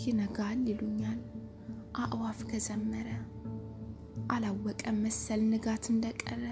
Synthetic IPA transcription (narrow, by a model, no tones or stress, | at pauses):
jɪnəɡalːeluɲːal | ʔaʔwafkʰəzəmːəɾə | ʔalawːɔkʼəməsːəlnɨɡat̪ʰɨnd̪əkʼə̰rːə